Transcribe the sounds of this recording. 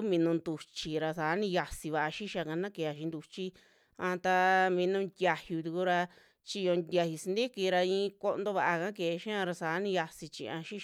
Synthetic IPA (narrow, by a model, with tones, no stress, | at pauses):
mĩ˧nũ˧nd̪u˧t͡ʃi˧ɾa˧saː˨˦nĩ˧ja˧si˧βa˧ʔa˧ʃi˦ʃa˧kã˧nã˦ke˧a˧ʃĩ˧nd̪u˧t͡ʃi˦ | ã˧t̪a˧mĩ˧nũ˧nd̪ʲja˧hju˧t̪u˧ku˧ɾa˧ | t͡ʃi˧o˧nd̪ʲja˧hi˧si˧nd̪i˦ki˧ɾa˧ĩ˧ko˧ʔnd̪o˧βa˧ʔa˧kã˦ke˨˧ʃã˦ã˧ɾa˧saː˨˦nĩ˧ja˧si˧t͡ʃḭ˧ã˧ʃi˦ʃ